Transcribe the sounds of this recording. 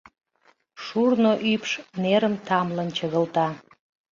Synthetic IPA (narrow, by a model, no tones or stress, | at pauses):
ʃurnoʔypʃneɾəmt̪ɑmlənt͡ɕəɣəlt̪ɑ